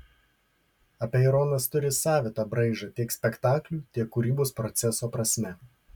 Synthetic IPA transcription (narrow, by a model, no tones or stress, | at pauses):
ɐpʲeːɪɾɔnɐst̪ʊɾʲɪsɑːʋʲɪt̪ɐbɾɐɪʒɐt̪ʲiɛksʲpʲɛkt̪ɑːklʲuːt̪ʲiɛkːʊɾʲiːboːspɾɔt̪sʲɛsoːpɾɐsʲmʲɛ